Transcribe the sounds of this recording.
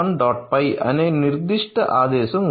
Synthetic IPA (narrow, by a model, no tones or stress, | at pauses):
nɖaːʈ̚pɐɪʔɐ̰neːnɪɾd̪ɪʂʈːɐʔaːðeːsɐm